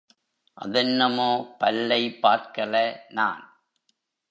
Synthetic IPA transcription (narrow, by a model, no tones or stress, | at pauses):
ʔɐ̰ðɐnːɐmoːpɐlːɐɪpːaːɾkɐlɐna̰ːn